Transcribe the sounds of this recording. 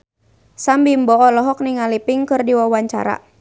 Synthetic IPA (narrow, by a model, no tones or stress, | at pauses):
sambimbɔɔlɔɦɔk̚niŋalipɪŋkɨrdiwawaɲt͡ʃa̰ɾa̰